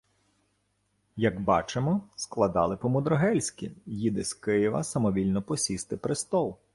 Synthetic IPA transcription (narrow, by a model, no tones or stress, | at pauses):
jɐɡbɑ̰t͡ʃemɔsklˠɐd̪ɑlˠɪpɔmʊd̪ɾɔɦɛlʲsʲkʲḭjid̪ɪsʲkɪjɪʋɐ̰sɐmɔʋʲilʲnɔpɔsʲist̪ɪpɾɪst̪ɔlˠ